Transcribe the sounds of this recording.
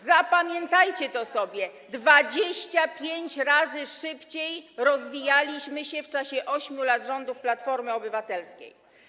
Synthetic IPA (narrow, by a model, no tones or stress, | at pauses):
zapamʲjɛnt̪ajt͡ɕɛt̪ɔsɔbʲjɛ | d̪vad͡ʑeɕt͡ɕapʲjeɲt͡ɕɾazɘʂɘpt͡ɕejɾɔzvʲijalʲiɕmɘɕɛft͡ʂaɕɛʔɔɕmʲjulad̪ʐɔnd̪ufplat̪fɔɾmɘɔbɘvat̪ɛlskʲḛj